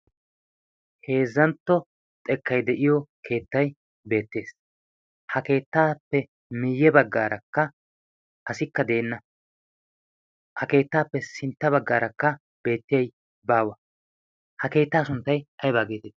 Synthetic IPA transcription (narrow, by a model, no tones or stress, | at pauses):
he̞ːzːɐnt̪ːɔ | t̪ʼɛkːɐjd̪ɛʔɪjɔkʰe̞ːt̪ːɐj | be̞ːt̪ːe̞ːs | hɐke̞ːt̪ːaːpːɛ | mɪjːɛbɐɡːaːɾɐkːɐ | ʔɐsɪkːɐd̪e̞ːnːɐ | hɐke̞ːt̪ːaːpːɛsɪnt̪ːɐβɐɡːaːɾɐkːɐ | be̞ːt̪ːɪjɐj | baːwɐ | hɐke̞ːt̪ːaːsʊnt̪ːɐjʔɐjbaːɡeːt̪ɛ